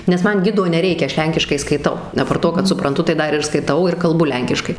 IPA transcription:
nʲɛs ˈmɐn ˈɡʲɪdoː nʲɛˈrʲɛɪkʲɛ ˈɐʃ ˈlʲɛŋʲkʲɪʃkɐɪ skɐɪˈtɐʊ ɐˈpɐrt ˈtoː kɐt sʊprɐnˈtʊ tɐɪ ˈdɐr ɪr skɐɪˈtɐʊ ɪr kɐlˠˈbʊ ˈlʲɛŋʲkʲɪʃkɐɪ

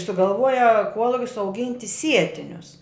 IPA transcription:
sʊɡɐlˠˈʋuɔjɛ ˈkuɔlˠʊkʲɪs ɐʊˈɡʲɪnʲtʲɪ ˈsʲiɛtʲɪnʲʊs

